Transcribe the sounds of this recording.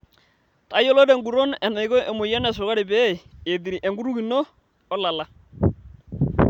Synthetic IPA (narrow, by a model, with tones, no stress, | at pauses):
ta˨˦jɔ˦lɔ˦dɛ˨ŋɡu˨ɾo˦nɛ˨na˨i˨kɔ˦ʔe˨mʊ˨jɛ˦nɛ˨s̬ʊ˨ɣa˦ɾɪ˨bɛ˦˨e˨di˨ɾi˨ʔɛ˨ŋɡu˦ɾu˦ɡi˨nɔː˦ | la˨la˦